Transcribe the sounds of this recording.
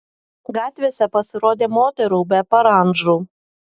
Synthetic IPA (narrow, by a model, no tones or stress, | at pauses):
ɡɑːt̪ʲʋʲeːsʲɛpɐsʲɪɾoːd̪ʲeːmoːt̪ʲɛɾuːbʲɛpɐɾɐˑnʒɾuː